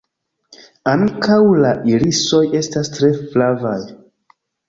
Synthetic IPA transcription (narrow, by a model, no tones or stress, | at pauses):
aŋkawlaʔiliso̞je̞stastɾe̞flava̰j